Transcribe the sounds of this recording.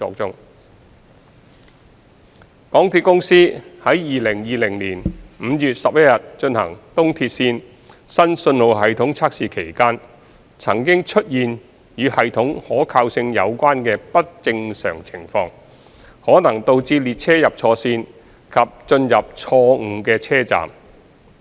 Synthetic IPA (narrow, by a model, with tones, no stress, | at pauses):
ɔ̰ː˧t͡sʊ˥ŋ | kɔː˨˥ŋt̪ʰi˧t̚kʊ˥ŋsiː˥hɐ˨˥jjiː˨lɪ˨˩ŋjiː˨lɪ˨˩ŋliː˨˩nm̩˨˧jy˨t̚sɐ˨p̚jɐ˥t̚jɐ˨t̚t͡ʃɵ˧nhɐ̰˨˩ŋt̪ʊ˥ŋt̪ʰiː˧t̚siː˧n | sɐ˥nsɵ˧nlo˨˧wɦɐ˨jt̪ʰʊ˨˥ŋt͡sʰaː˥k̚siː˨kʰe˨˩jkaː˥n | t͡sʰɐ̰˨˩ŋkɪ˥ŋt͡ʃʰɵ˥t̚jiː˨n | jyː˨˧hɐ˨jt̪ʰʊ˨˥ŋhɔː˨˥kʰaː˧wsɪ˧ŋjɐ˨˧wkʷaː˥nkɛː˧pɐ˥t̚t͡sɪ˧ŋsœ̰ː˨˩ŋt͡sʰɪ˨˩ŋfɔː˧ŋ | hɔː˨˥nɐ˨˩ŋt̪o˧wt͡siː˧liː˨t̚t͡sʰɛː˥jɐ˨p̚t͡sʰɔː˧siː˧n | kʰɐ˨p̚t͡ʃɵ˧njɐ˨p̚t͡ʃʰɔː˧ŋ̩˨˧kɛː˧t͡sʰɛː˥t͡sa̰ː˨˩m